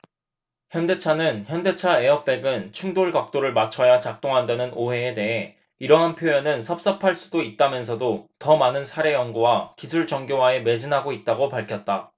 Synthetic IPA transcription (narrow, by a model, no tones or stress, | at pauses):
çjʌnde̞t͡ɕʰanɯnçjʌnde̞t͡ɕʰae̞ʌp̚p͈e̞ɡɯnt͡ɕʰuŋdoɭɡak̚t͈oɾɯɭmat͡ɕʰʌjat͡ɕak̚t͈oŋɦandanɯnʔoɦe̞ːde̞ɦe̞ | iɾʌɦanpʰjoenɯnsʰʌp̚s͈ʌpʰaɭs͈udoit̚t͈amjʌns̬ʰʌdotʌmanɯnsʰaɾe̞jʌŋɡuwakisʰuɭd͡ʑʌŋɡjoɦae̞me̞d͡ʑinɦaɡoit̚t͈aɡopaɭkʰjʌt̚t͈a